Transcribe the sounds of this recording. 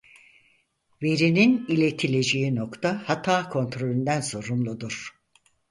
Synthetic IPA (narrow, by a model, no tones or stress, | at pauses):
ve̞ɾininilʲe̞t̪ʰilʲed͡ʒe̞ino̞kt̪ʰahat̪ʰaːkʰo̞nt̪ɾo̞lʲynd̪ænso̞ɾumlˠud̪uɾ̥